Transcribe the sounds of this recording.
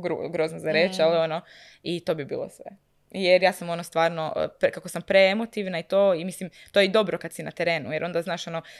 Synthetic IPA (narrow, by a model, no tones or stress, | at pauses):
ɡɾṵɡɾo̞znazaɾeːt͡ʃaliono | it̪o̞bibḭːlˠo̰sʋḛ | jeɾjaːsamo̞nost̪ʋaːɾno̰pkakosampɾeemot̪iʋnait̪oːimislimt̪ojed̪o̞bɾokad̪sinat̪eɾe̞ːnṵjeɾo̞nd̪aznaːʃo̞no